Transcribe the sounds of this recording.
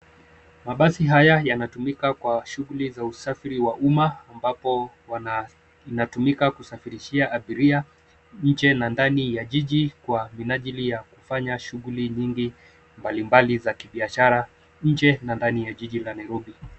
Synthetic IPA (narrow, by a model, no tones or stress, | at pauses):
maɓasiɦajajanatumikakwaʃuɣulizausafiɾiwaʔumaːmbapɔ | inatumikakusafiɾiʃiaʔːɓiɾia | ɲ̩t͡ʃɛnandanijaʄiʄikwaminaʄilijakufaɲaʃuɣuliɲiŋɡi | mbalimbalizakiɓiaʃaɾa | ɲ̩d͡ʒɛnandanijaʄiʄilanajɾɔɓi